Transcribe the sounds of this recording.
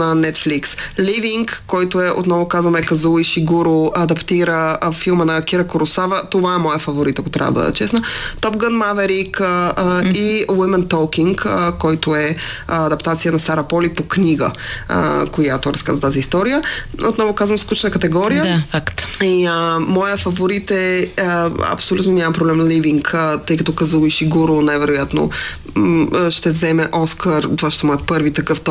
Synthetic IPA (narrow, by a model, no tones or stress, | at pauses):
nɐnɛt̪fliksliviŋkːɔjt̪oɛʔo̰t̪nɔvokazvɐmɛkɐzulˠiʃiɡuɾoɐd̪ɐpt̪iɾəfilˠmənɐkiɾɐkoɾʊsavət̪ovaɛmɔjəfɐvoɾit̪əkot̪ɾʲa̰v̰əb̪ə̰d̪ə̰t͡ʃɛsnət̪ɔp̚ɡənmavɛɾikəiwimɛnt̪ɔkiŋkkɔjt̪ʊɛɐd̪ɐpt̪at̪sijənɐsaɾɐpɔlipokniɡə̰ | kojat̪oɾɐska̰zət̪aziːst̪ɔɾijəo̰t̪nɔvokazvəmsklut͡ʃnəkɐt̪ɛɡɔɾijəfakt̪iəmɔjəfɐvoɾit̪ɛ | ɐ̰psolʲut̪noɲʲamɐmpɾoblɛmnliviŋkt̪ɤjkɐt̪ɔkɐzuvˠiʃiɡuɾonɛvɛɾojat̪no̰ | ʃt̪ɛvzɛmɛʔɔskəɾt̪ovaʃt̪ɛmɔɛpɤɾvit̪ɐkɤft̪ɔ